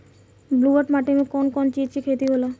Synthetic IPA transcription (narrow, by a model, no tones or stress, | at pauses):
bluaɾʈmaʈemekɔnkɔnt͡ʃikekʰet̪iɦola